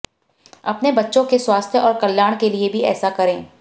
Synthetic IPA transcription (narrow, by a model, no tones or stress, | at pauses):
ɐpnebɐtːʃõkeswaːst̪ʰjəʔɔːɾkɐljaːɽ̃keliebʱiɛ̰ːsakɐɾẽː